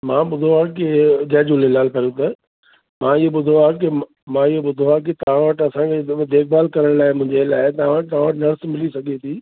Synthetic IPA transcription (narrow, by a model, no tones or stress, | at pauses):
mãːɓʊd̪ʱoãkɪd͡ʑɐːd͡ʑulɪlaːlpɐɾjũt̪̬ɐ | mãːɪɦoɓʊd̪ʱoak̬i | mãɪɦoɓʊd̪ʱoak̬ɪt̪ɐʋ̤ãʋəʈɐsãkʰed̪ʱeːk̚ʰbaːlkɐɾəɽ̃laːɪmʊ̃ɦɪ̃ɲd͡ʑelaːɪt̪ɐʋãʋəʈ̚t̪ɐʋãʋəʈnɐɾsmɪlisɐɡʱet̪ʰiː